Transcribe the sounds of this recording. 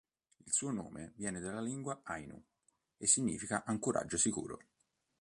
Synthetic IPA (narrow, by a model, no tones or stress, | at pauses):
ilsuːono̰ːmevjɛːned̪alːaliŋɡwaajnṵ | esːiɲːḭːfikaʔaŋkoɾʔa̰d͡ʒːosikṵːɾo̰